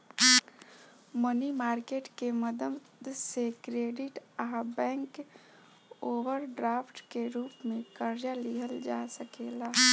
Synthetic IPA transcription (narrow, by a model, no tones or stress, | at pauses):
mənimaːɾkeːʈkeməd̪əmd̪sekɾeːɖɪʈabɛ̃ːŋk | oːʋəɾɖɾaːpʰʈkeɾuːpmẽkəɾd͡ʒaliɦəld͡ʒaːsəkeːlaː